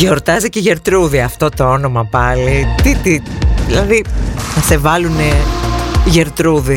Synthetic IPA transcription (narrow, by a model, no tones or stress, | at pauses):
ʝo̞ɾt̪ɐziceʝe̞ɾt̪ɾuðiɐft̪o̞t̪o̞ono̞mɐpɐlit̪it̪iðilɐðiθɐse̞vɐlune | ʝeɾt̪ɾuði